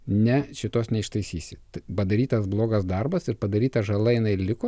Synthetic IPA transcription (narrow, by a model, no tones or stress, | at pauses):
nʲɛʃʲɪt̪oːsnʲɛɪʃt̪ɐɪsʲiːsʲɪt̪ɐpɐd̪ɐɾʲiːt̪ɐsblˠoːɡɐsd̪ɐrbɐsɪɾpɐd̪ɐɾʲiːt̪ɐʒɐlˠɐjɪnɐɪlʲɪko